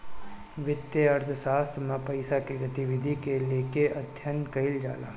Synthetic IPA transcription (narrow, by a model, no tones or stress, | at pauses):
ʋɪt̪jeɐɾt̪ʰsaːst̪ʰmãpɐɪsakeɡɐt̪iʋɪd̪ʱikeleːkeɐd̪ʱjənkɐɪld͡ʒa̰ːla̰ː